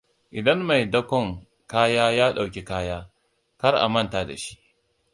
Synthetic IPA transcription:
ʔɪ˨dɐ˦nma˨jdɐ˦kʷɔ˦ŋ | kaː˦jaː˦jaː˦ɗa˨wkʲi˦kaː˦jaː˦ | kɐ˦rʔa̰˨mɐ˦˨ntaː˨da̰˨ʃi̥˦ʔ

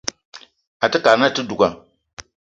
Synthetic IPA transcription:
a˨tɨ˦ka˨ɾna˦tɨ˦du˨ɡa˨

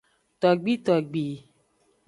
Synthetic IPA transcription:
t̪ɔ˨ɡ͡bi˦t̪ɔ˨ɡ͡bi˨

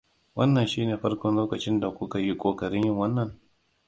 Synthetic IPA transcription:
wɐ˦nːɐ˨nʃiː˦neː˨ɸɐ˦rkʷɔ˦nloː˦kɐ˨t͡ʃɪ˦nda˨kʷʊ˦ka˨ji˦kʷʼoː˨kɐ˨ɾɪ˦ɲjɪ˦ŋwɐ˦nːɐ˨ŋ

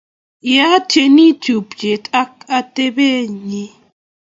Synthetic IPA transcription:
ja˦tʰe˨ni˦tʰu˨pd͡ʒe˨tʼa˦ka˦te˦be˦˨ɲi˦

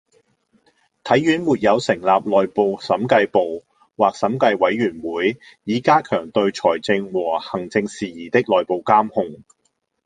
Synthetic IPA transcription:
t̪ʰɐ˨˥jːyː˨˥nmuː˨t̚jɐ˨˧wsɪ˨˩ŋlaː˨p̚lɔː˨jpo˨wsɐ˨˥mkɐ˧jpo˨w | waː˨k̚sɐ˨˥mkɐ˧jwɐ˨˥jɥyː˨˩nwuː˨˥j | jiː˨˥kaː˥kʰœː˨˩ŋt̪ɵ˧ɥt͡ʃʰɔː˨˩jt͡sɪ˧ŋwɔː˨˩hɐ˨˩ŋt͡sɪ˧ŋsiː˨˩jiː˨˩t̪ɪ˥k̚lɔː˨˩jpo˨˩wkaː˥mhʊ˧ŋ

